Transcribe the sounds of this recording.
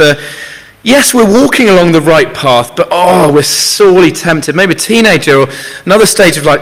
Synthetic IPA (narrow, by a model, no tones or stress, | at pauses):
ə | jɛswɪɹwɔˑkʰɪ̃ŋəlɒ̃ŋðəɹaɪʔ̚pʰɑˑθb̥ʌtɔwɪsɔːlitʰɛ̃mp̚tʰɪd̚meɪbitʰĩːñeɪd͡ʒə˞əənʌðəsteɪd͡ʒəvlaɪk